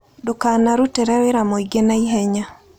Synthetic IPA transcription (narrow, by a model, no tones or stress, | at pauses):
dokanaɾutɛɾɛweɾamɔiɡenaiɦɛɲa